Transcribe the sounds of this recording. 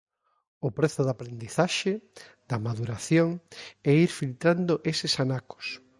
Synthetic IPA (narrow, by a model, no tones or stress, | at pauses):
ʊpɾeθʊðapɾend̪iθaʃe | d̪̥ɐmaðuɾaθjoŋɛiɾfilt̪ɾand̪oʔesɪsanako̥s